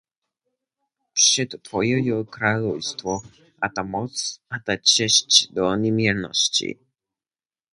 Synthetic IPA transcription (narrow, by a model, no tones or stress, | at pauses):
pʂɛt̪t̪fɔjɛjɔkɾalɔwst̪fɔ | ʔat̪amɔt̪sat̪at͡ʃɛɕt͡ɕd̪ɔɲɛmjɛɾnɔ̰ɕt͡ɕḭ